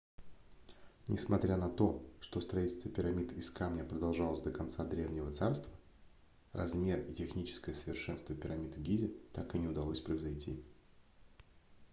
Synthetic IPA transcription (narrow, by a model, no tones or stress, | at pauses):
nʲɪ̰smɐt̪ɾʲanɐt̪o̞ʂt̪o̞st̪ɾɐitʲɪlʲst̪vəpʲɪɾɐmʲid̪ɪskamnʲapɾəd̪ɐlˠʐɑlˠəsʲd̪əkɐnt̪sad̪ɾʲe̞vnʲɪvət̪sarst̪və | rɐ̰zmʲe̞ritʲɪxnʲit͡ɕɪ̥skəjəsəvʲɪrʂɛnst̪vəpʲɪɾɐmʲid̪ɡʲizʲɪt̪akɨnʲɪʊd̪ɐlˠosʲpɾəɪzɐjtʲḭ